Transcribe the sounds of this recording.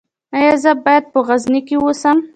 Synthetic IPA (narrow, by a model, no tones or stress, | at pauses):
ajazəbɑjad̪̚pəɣaznikewosam